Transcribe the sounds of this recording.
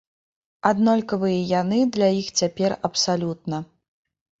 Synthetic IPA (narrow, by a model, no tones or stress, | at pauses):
ad̪nɔlʲkɐvɨjɐjanɨd̪lʲajixt͡sʲapʲɛrɐpsalʲut̪̚nɐ